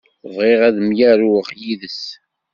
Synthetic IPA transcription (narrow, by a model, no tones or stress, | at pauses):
vʁeʁæðəmjæɾʊʁjiðəs